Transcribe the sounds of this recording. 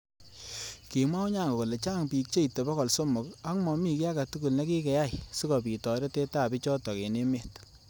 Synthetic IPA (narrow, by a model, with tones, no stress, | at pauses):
ki˨mwa˦wɲa˦˨ŋɡo˨ko˨le˨t͡ʃa˦ŋpiː˨k̚t͡ʃe˦i˨te˨bɔ˦kɔ˨lso˦mʊ˨ka˦kmɔ˨mi˦˨ki˦a˦ka˨tu˦ku˨lna˦ki˦kɛ˨ja˦˨jsi˦kɔ˨pi˨tɔ˨ɾe˦te˦ta˦˨bi˦t͡ʃɔ˦tɔ˨ke˨ne˦me˦˨t